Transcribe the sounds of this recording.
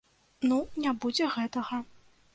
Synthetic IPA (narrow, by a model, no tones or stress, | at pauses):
nunʲabud͡zʲɛɣɛt̪ɐɣɐ